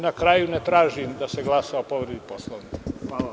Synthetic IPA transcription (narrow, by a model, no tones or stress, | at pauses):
nakɾajunet̪ɾaːʒimd̪aseɡlˠasaopoʋɾed̪iposlˠoʋni